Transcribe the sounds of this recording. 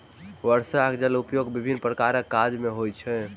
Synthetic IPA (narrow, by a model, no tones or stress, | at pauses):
ʋəɾsakd͡ʒəlupjoɡbibʱinːpɾəkaɾəkːad͡ʒmeɦojt͡ʃʰɛ